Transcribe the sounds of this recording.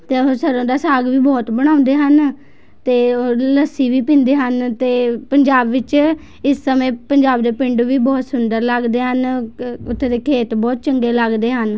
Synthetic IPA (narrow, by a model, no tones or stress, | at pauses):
t̪eːoːsəɾõːd̪aːsaːɡʋiːbɔːt̪bəɽ̃ãːʊ̃nd̪eːɦən | t̪eːoləsiːʋiːpɪ̃ːnd̪eːɦənt̪eːpəɲd͡ʒaːbʋɪt͡ʃ | ɪsːəmẽːpəɲd͡ʒaːbd̪eːpɪ̃ɳɖʋiːbɔːt̪sʊnd̪əɾləɡd̪eːɦənʊt̪ʰːeːd̪eːkʰeːt̪bɔːt̪̚t͡ʃəŋɡeːləɡd̪eːɦən